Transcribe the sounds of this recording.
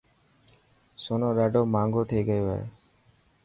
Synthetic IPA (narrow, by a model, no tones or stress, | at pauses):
soːnõːɗaːɖoːmãːŋɡoːt̪ʰeːɡəjoːɦḛː